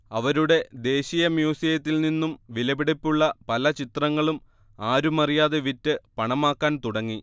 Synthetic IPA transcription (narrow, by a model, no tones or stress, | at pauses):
ɐʋɐɾuɽe̞d̪e̞ːɕijɐmjuːsijɐt̪ːilninːumʋilɐbiɽipːuɭːɐpɐlɐt͡ɕit̪rɐŋːɐɭum | aːɾumɐrijaːðe̞ʋitːɨpɐɳɐmaːkːaːnt̪uɽɐŋːi